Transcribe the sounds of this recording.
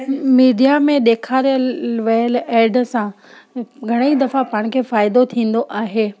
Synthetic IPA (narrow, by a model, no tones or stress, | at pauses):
miːɖijamẽɗ̪eːkʰaːɾijəlʋɐjəleːɖsã | ɡʱɐɽ̃eid̪ɐfapaːɽ̃̆kʰeːfaːjɪd̪ot̪ʰĩːn̆d̪oʔaːɦeː